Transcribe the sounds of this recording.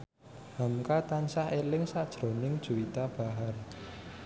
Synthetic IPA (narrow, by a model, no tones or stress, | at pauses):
mamkat̪ansaelɪŋsad̥ʒ̥ɾo̤nɪŋd̥ʒ̥ṳwit̪ab̥a̤ɦar